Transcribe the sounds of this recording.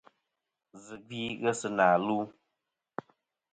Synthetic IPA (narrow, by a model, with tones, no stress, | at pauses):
zɨ˨ɡiː˦ɣɛ˦sɨ˦naː˨luː˦